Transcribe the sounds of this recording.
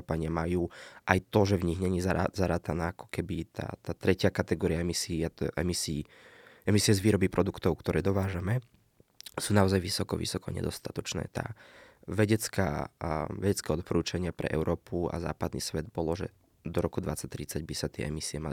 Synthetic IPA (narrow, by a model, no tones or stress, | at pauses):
paɲɪamajuːʔajt̪ɔʒɛvɲiɦɲɛɲizaa̰zaɾaːt̪anaːakɔ̥kɛbit̪ʰa̰ːt̪aːt̪ɾɛcɪakat̪ɛɡɔːɾiaɛmisiːat̪ɔʔɛmisiː | ɛmisiɛzʋiːɾɔbipɾɔd̪ukt̪ɔʊkt̪ɔɾʔɛːd̪ɔʋaːʒamɛ | suːnaɔzajʋisɔkɔ̰ʋḭsɔkɔa̰ɲɛ̰d̪ɔst̪at̪ɔt͡ʃnɛ̰ːt̪a̰ːʋɛɟɛt͡ska̰ːʋɛɟɛt͡skɛːɔt̪̚pɔɾuːt͡ʃaɲɪapɾɛ̰ʔɛ̰ʊɾʔɔːpua̰za̰ːpad̪nḭsʋɛd̪bɔlɔʒɛ̰ | d̪ɔɾɔkud̪ʋat͡sac̚t̪ɾit͡saɟbisat̪ɪɛ̰ʔɛmisiɛma̰li